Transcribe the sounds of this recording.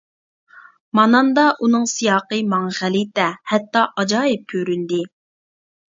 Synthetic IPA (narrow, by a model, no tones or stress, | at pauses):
mɑnɑnd̪ɑʔunɨŋsijɑːqɨmɑŋʁælɪt̪ɛhɛt̪ːɑʔɑd͡ʒɑːɪp̚kʲʰøɾynd̪ɪ